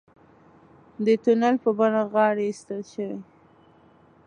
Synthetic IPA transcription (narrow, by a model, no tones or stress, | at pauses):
d̪ət̪unalpəbanaɣɑɽest̪əlʃəwe